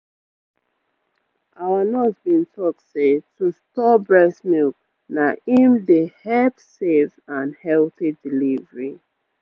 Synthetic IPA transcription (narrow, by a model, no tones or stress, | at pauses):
ʔawanɔsbĩntɔk̚setustɔbɹɛsmilk | naĩmdehɛpsevãnhɛlθidilivəɹi